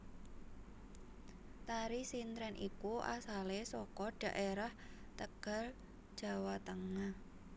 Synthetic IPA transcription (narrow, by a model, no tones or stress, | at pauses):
t̪aɾisint̪ɾɛnʔḭkuʔa̰salesɔkɔɖ̥ä̤ʔeɾaht̪əɡ̥a̤l | d̥ʒ̥a̤wat̪əŋah